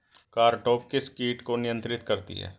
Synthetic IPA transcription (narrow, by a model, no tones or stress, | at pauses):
kaːɾʈoːk̚kɪskiːʈkonɪjə̃nt̪ɾɪt̪kəɾt̪ḭɦɛ̰ː